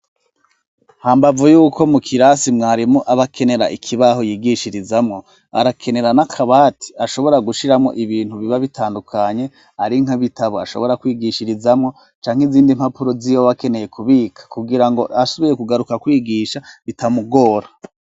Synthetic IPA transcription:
haːmbavujuːkʰo̞mukʰiɾasimŋaːɾimoʔaβakʰe̞ne̞ɾa̰ʔikʰiβaɦojiːɡiʃiɾizamŋo̞ | a̰ɾakʰe̞ne̞ɾanakʰaβaːtʰi̥aʃo̞βo̞ɾaɡuʃiɾamŋo̞̰ʔiβiːn̥huβiβaβitʰaːndukʰaɲe̞ | aɾiŋ̥aβitaβoa̰ʃo̞̰βo̞ɾakwiːɡiʃiɾizamŋo̞ | t͡ʃaːŋ̥eiziːndim̥hapuɾozijoβake̞neje̞kʰuβiːkʰḁkuɡiɾaŋɡo̞ʔasoβije̞kuɡaɾukakwiːɡiʃaβitʰamuɡo̞ːɾa

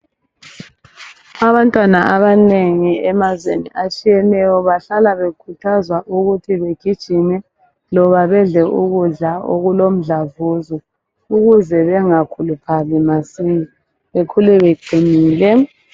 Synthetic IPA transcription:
aβantʼwanaʔaβaneŋiɛmazwḛnḭʔat͡ʃʼijɛnɛjɔβaɬalaβekʰutʰazwaʔuɣutʰiβeɡ̥ʱid̥ʒ̥ʱinɛ | lɔβaβɛɮɛʔuɣuɮaʔo̰ɣulom̩ɮavuzɔ | uɣuzɛβɛŋakʰulupʰalimasii | βekʰulɛβeǃʱiniːlɛ

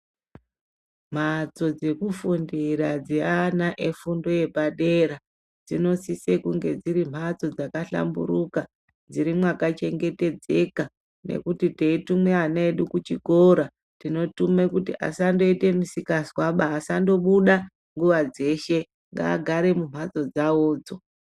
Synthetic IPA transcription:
m̤at͡so̞d͡ze̞kufundiɾad͡zianaʔefundo̞je̞baɗe̞ɾa | d͡zino̞sise̞kuŋɡe̞d͡ziɾim̤at͡so̞d͡zakaɬa̰mbṵɾuka | d͡ziɾimwakat͡ʃe̞ŋɡe̞te̞d͡ze̞ka | nḛkutite̞itumweanaeɗukut͡ʃiko̞ɾa | tino̞tumekutiʔa̰sando̞ite̞misikaswaɓaːsando̞ɓuɗa | ŋɡuʋad͡ze̞ʃe̞ | ŋɡa̰ɡʱaɾe̞mum̤at͡so̞d͡zaoːd͡zo̞

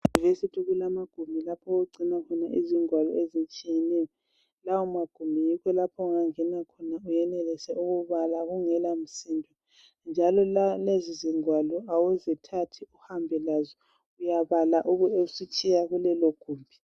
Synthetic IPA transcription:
vesitʰiɣulamaɡ̥ʱumbʱilapʰɔoɡ͡ǀʱinakʰɔnaʔiziŋwalɔ̰ezit͡ʃʼijɛnɛjɔ | lawɔmaɡ̥ʱumbʱijikʰɔlapʰɔuŋaŋɛnakʰɔnaujɛnɛlɛsɛuɣuβalaɣuŋɛlam̩sindʱɔ | nd͡ʒʱalɔlaleziziŋwalɔawuzitʰatʰiuhambʱɛlazɔ | ujaβalaʔuɣueusit͡ʃʼijaɣulɛloɡ̥ʱuːmbʱi

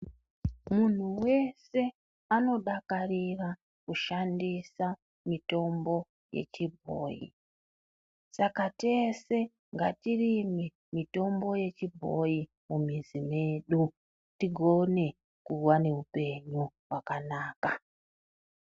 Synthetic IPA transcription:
mun̤uwe̞se̞ | ano̞ɗakarira | kuʃandisa | mito̞mbo̞ | je̞̰t͡ʃibʱo̞̰ːjḭ | sakate̞se̞ | ŋɡa̰tirimi | mito̞mbo̞je̞t͡ʃibʱo̞̰ji | mumizine̞ːɗu | tiɡʱo̞ne̞ | kuwane̞upe̞ɲuwakanaːka

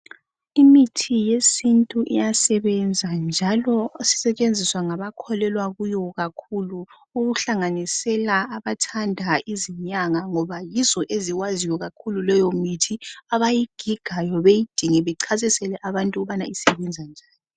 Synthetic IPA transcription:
imitʰijesintʼuʔḭjasɛβɛnd͡zʱand͡ʒʱalɔsi̥sɛt͡ʃʼend͡zʱiswaŋaβakʰɔlɛlwaɣujɔɣakʰulu | uɣuɬaŋanisɛlaːβatʰandʱaiziɲaŋaŋɔβajizɔʔeziɣwazijɔɣakʰululɛjomitʰiaβajiɡ̥ʱiɡ̥ʱajɔβejid̥ʱiŋɛβɛǀʰazisɛlɛʔaβantʼuɣuβanaisɛβɛnd͡zʱand͡ʒʱaːni

